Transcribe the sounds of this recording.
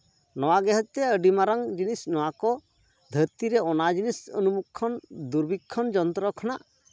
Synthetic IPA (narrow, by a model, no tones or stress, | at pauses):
nɔwaɡɛɦət͡ʃ̚t̪ɛəɖimaɾaŋd͡ʒinisnɔwakɔ | d̪ʱəɾt̪iɾɛɔnad͡ʒinisə̰numukʰːɔnd̪uɾbikʰːɔnd͡ʒɔnt̪ɾɔkʰɔnaʔ